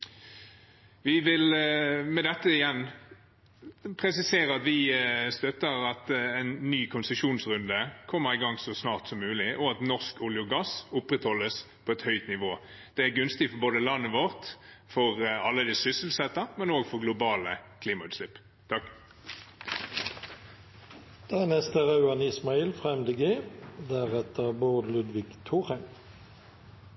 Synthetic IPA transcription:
ʋɪʋɪlmɛd̪ɛt̪ːəɪjɛnː | pʰɾɛsɪseːɾəɑt̪ʋɪst̪œt̪ːəɾɑt̪ɛɪnːyːkʰʊnsəʂuːnsɾʉnd̪əkʰɔmːəɾɪɡɑŋsɔsnɑːʁt̪sɔmːʉːlɪʔɔɑt̪nɔʁskʊljʊɡɑsʊpːɾɛt̪hɔlːəspʰɔɛt̪hœʏt̪nɪʋoː | d̪̥ɛæɡʉnst̪ɪfɔboːd̪əlɑnːəʋɔʁt̪ | fɔʁɑlːəd̪ɪsʏsəlsɛt̪ːɑmɛnoːɡfɔʁɡlʊbɑːləkʰliːmɑʉːt̪slɪpː | t̪ʰɑk | d̪̥æænɛst̪əʁɑʉɑnɪsmɑiːlfʁɛmd̪əɡeːd̪æʁɛt̪ʰəbud̪lʉd̪ʋɪɡt̪ʰuːʁɛn

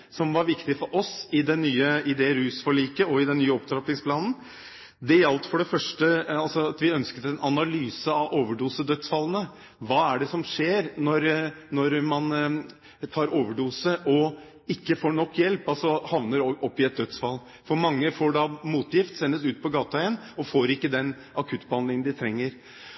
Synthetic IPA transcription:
sɔmʋɑɾʋɪkt̪ɪfɔɾʔɔsɪd̪ɛnːyːəɪd̪ɛɾʉːsfɔɭiːkəɔɪd̪ɛnːyːəɔp̚t̪ʰɾɑplɪŋspʰlɑːnn̩ | d̪ɛjɑlt̪fɔɖɛfœʂʈəɑlsɔɑt̪ʋɪœnskət̪ɛnʔɑnɑlyːsəɑʔoːʋəɖuːsəd̪œt̪sfɑlːənə | ʋɑːæɖɛsɔmʂeːɾnɔɾnɔɾmɑn | t̪ʰɑːɾoːʋəɖuːsəʔɔ | ɪkːəfoːɳɔkːjɛlpɑlsɔhɑʋnəɾʔɔpːɪɛt̪̚d̪œt̪sfɑlː | fɔɾmɑŋːəfoːɖɑmuːt̪jɪft̪sɛnːəsʉːt̪̚pʰɔɡɑːt̪ɑən | ɔfoːɾɪkːəd̪ɛn | ʔɑkʰʉt̪ːbəhɑnd̪lɪŋənd̪ɪt̪ʰɾɛŋːəɾ

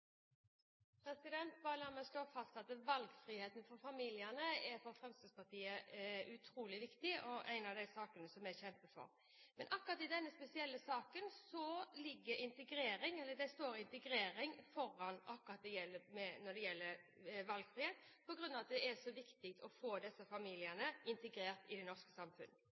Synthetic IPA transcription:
pʰɾɛsɪd̪ɛnt̪bɑːɾəlæːmɛst̪oːfɑst̪ɑt̪ʋɑlɡfɾiːheːt̪nfɔɾfɑmiːlɪənəɛɾfɔɾfʁɛmst̪əspɑt̪ʰiːəʉt̪ʰɾuːlɪʋɪkt̪ɪʔɔʔæ̰ɪnɑʋd̪æɪsɑːkənəsɔmjæçɛmpəfɔ̰ɾ | mɛnʔɑkːʊʁɑt̪ɪd̪ɛnːəspɛsɪɛlːəsɑːkənsɔlɪɡːəɾɪnt̪əɡɾeːɾɪŋɛlːəd̪ɛst̪oːɾɪnt̪əɡɾeːɾɪŋfɔɾːɑnɑkːʊʁɑt̪̚d̪ɛjɛlːəmɛnɔd̪ɛjɛlːəɾʋɑlɡfɾiːheːt̪pʰɔɡɾʉnːɑːʋɑt̪d̪ɛɛʂɔʋɪkt̪ɪk̚t̪ʰɔfoːd̪ɛsːəfɑmiːlɪənəɪnt̪əɡɾeːɾt̪ɪd̪ɛnɔʁʂkəsɑmfʉnːə

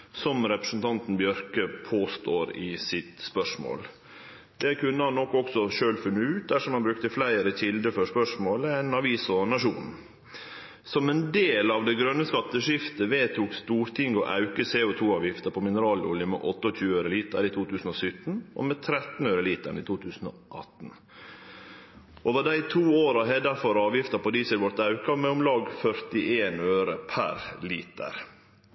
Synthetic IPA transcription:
sɔmɾɛpɾəsn̩t̪ʰɑnt̪n̩bjœɾkəpʰoːst̪oːɾɪsɪt̪spœʂmo̰ːl | d̪ɛkʉnːəhɑnːɔkːɔksɔʃøːlfʉnːəʉːt̪̚d̪æʂɔmhɑnbɾʉkt̪əflæɪəɾəɕɪld̪əfɔʂpœʂmoːləæɪnɑʋiːsɔnɑʂuːn̩ | sɔmɛnd̪eːlɑʋd̪ɛɡɾœnːəskɑt̪ːəʂɪft̪əʋeːt̪ʰuːkst̪uːɾt̪ʰɪŋɡɔ̰ʔɑ̰ʉkəseːʊt̪ʰuːɑːʋjɪft̪əpʰɔmɪnəɾɑːlʊ̰ljəmɛ̰ʔɔt̪ːəɔc͡çʉːəøːɾəliːt̪ə̰ɾiːt̪ʰuːt̪ʉːsn̩ɔsʏt̪n̩ʔɔ̰mɛt̪ʰɾɛt̪n̩øːɾəliːt̪ə̰ɳḭːt̪ʰuːt̪ʰʉːsn̩ɔ̰ | ʔɑt̪n̩ | ʔoːʋəɖæɪt̪ʰuːoːɾɑɦɛd̪ɑfɔɾɑːʋjɪft̪əpɔd̪iːsɪlʋɔɾt̪ɑʉkɑmɛʊmlɑːɡfœɾt̪ɪʔeːnøːɾəpʰæ̰ɾliːt̪ə̰ɾ

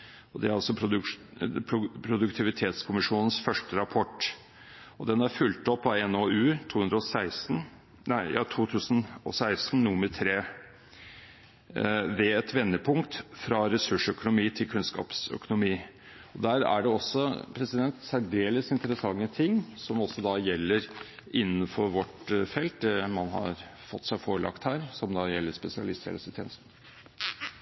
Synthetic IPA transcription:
ɔd̪ɛæɾɑlsɔpʰɾʊ | pʰʊpʰɾʊd̪ʉkt̪ʰɪʋɪt̪ʰeːt̪skʰʊmɪʂuːnənsfœʂʈəɾɑpʰɔʈː | ɔd̪ɛnæfʉlt̪ɔpːɑɛnoʉːt̪ʰuːhʉnd̪ɾəɔsæɪsn | æɪjɑ̰t̪ʰuːt̪ʰʉːsənɔ̰sæɪst̪nnʊmət̪ʰɾeː | ʋɛɛt̪ʋɛnːəpʰʊŋkt̪fɾɑɾɛsʉʂœkʊnʊmiːt̪ʰɪlkʰʉnskɑ̰ːpsœ̰kʊnʊmiː | ɔd̪æːɾæ̰ɖɛɔsːɔpʰɾɛsɪd̪ɛnt̪sæɖeːləsɪnt̪ɾəsɑŋːət̪ʰɪŋːsɔmɔsːɔd̪ɑjɛlːəɾʔɪnːənfɔɾʋɔʈfɛlt̪̚d̪ɛmɑnɦɑ̰ɾfɔt̪ːsæɪfoːɾəlɑ̰kt̪hæːɾsɔmd̪ɑjɛlːəɾspɛsɪɑ̰lɪst̪ʰjɛ̰ləsət̪ʰjḛːnəsn

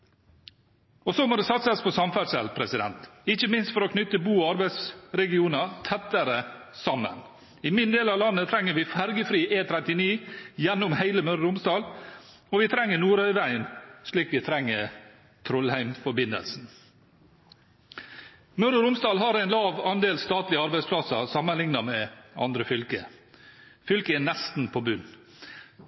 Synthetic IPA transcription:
ɔsomoːd̪ɛːsɑt̪sɑspʰɔsɑmfæɖʂɛ̰lpʰɾɛsɪd̪ɛ̰nt̪ɪçəmɪnst̪fɔɾɔkʰnʏt̪əbuːɑɾbæɪsɾɛɡɪuːnɑt̪ʰɛt̪ːəɾəsɑmːə̰n | ɪmɪnd̪eːlɑʋlɑnːət̪ʰɾɛŋːəɾʋɪfæɾɡəfɾiːʔeːt̪ʰɾɛt̪ɪniːjɛnːʊmhæɪləmœɾəɾʊmsd̪ɑːl | ɔʋɪt̪ʰɾɛŋːənuːɾœʏʋæɪənʂɭiːkʋɪt̪ʰɾɛŋːə | t̪ʰɾɔlhæɪmfɔɾbɪnə̰lsn̩ | mœɾəɾʊmsd̪ɑːlɦɑɾæɪnlɑːʋɑnd̪eːlst̪ɑːt̪lɪəɑɾbæɪspʰlɑsəɾsɑmːənlɪŋnɑmɛɑ̰nd̪ɾəfʏlkə̰ | fʏlkəæːnɛst̪n̩pʰobʉnː

